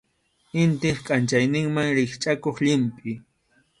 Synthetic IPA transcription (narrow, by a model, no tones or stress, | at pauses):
ɪnt̪ɪχkʼant͡ʃajnɪŋmaŋɾɪχt͡ʃʼakoχʎɪmpʼɪ